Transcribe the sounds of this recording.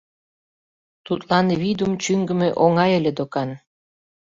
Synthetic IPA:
t̪ut̪lɑnβid̪umt͡ɕyŋɡə̆meʔoŋɑjə̆lʲed̪okɑn

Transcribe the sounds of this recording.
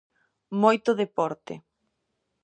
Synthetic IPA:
mojt̪ʊðepɔɾt̪ɪ̰

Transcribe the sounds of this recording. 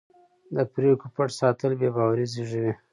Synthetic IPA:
d̪əpɾekupaʈsɑt̪əlbebɑwaɾiziʐəwi

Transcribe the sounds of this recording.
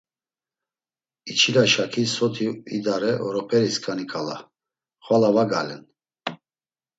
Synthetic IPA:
it͡ʃʰilaʃakʰisɔt̪ʰiḭd̪aɾɛʔɔɾɔpʰɛɾiskʰʼanikʼala̰ | χwalavaɡalɛ̰n

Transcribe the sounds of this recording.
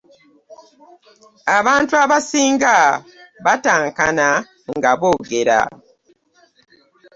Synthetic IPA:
aβaːntuaβasiːŋɡaβataːŋkana | ŋɡaβo̞ːɡe̞ɾa̰

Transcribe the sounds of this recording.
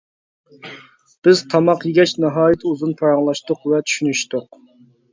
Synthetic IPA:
b̥ɪz̥t̪ʰɑmɑqjiɡʲɛt͡ʃnɨɦɑːjɛt̪ʰuzunpʰɑɾɑŋlˠɑʃt̪ʊqvɛt̪ʰy̥ʃynyʃt̪ʊq

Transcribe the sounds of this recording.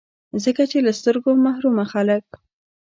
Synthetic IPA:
zəkat͡ʃelast̪əɾɡomahɾumaxalək̚

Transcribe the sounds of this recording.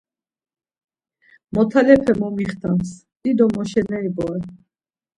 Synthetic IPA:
mɔt̪ʰalɛpʰɛmɔmiχt̪ʰans | id̪ɔmɔʃɛnɛibɔɛ

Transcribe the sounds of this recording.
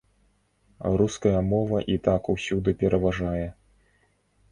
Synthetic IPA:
ɾuskɐjɐmɔvɐʔit̪akusʲud̪ɨpʲɛɾʔɐvaʐajɛ

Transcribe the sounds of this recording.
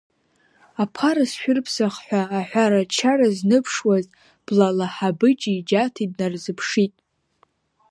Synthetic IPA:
apʰaɾasʃᶣʊrpʰsaχħʷᶣaːħʷᶣaɾat͡ʃʰaraznɨpʰʂwaz | b̥lalaħabɨt͡ʃʼid͡ʒatʰidnarzɨpʰʂitʼ

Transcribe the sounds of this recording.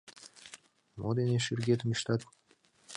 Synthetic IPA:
mod̪eneʃyrɡʲet̪əmiʃt̪ɑt̪

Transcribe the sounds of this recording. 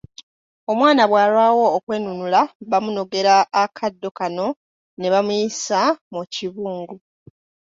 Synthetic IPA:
o̞mwaːnaβwaːlwaːwo̞ːkwe̞ːnunulaβamuno̞ɡe̞ɾaːkʰadːo̞kano̞ | ne̞βamujisamuciβuːŋɡu

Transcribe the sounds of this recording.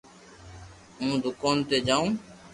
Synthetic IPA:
ũːd̪ʊkaːnt̪eːd͡ʒaːũː

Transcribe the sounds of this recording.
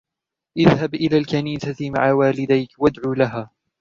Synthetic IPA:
ʔɪðhabʔɪlaːlkaniːsama̰ʕawaːlɪd̪ajkwad̪ʕuːlaɦaː

